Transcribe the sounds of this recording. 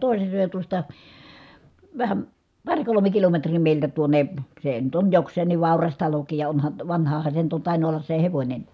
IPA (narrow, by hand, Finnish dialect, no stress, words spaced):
toˑise søˑe jɑ tuostɑ ʋæhæm pɑr kolome kilometriː meˑiltæ tuonˑe see nyt on joksˑeːnˑiʋ ʋɑˑurɑs tɑlokiːj jɑ onhɑn ʋɑnhɑhɑn se on nyt tɑˑinu olːɑs se heʋonʲeni̥